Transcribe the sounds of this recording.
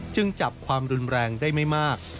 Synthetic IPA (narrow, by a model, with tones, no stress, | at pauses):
t͡ɕɯ˧ŋt͡ɕa˨˩p̚kʰwaː˧mɾu˧nɾɛː˧ŋdaː˥˩jma˥˩jmaː˥˩k̚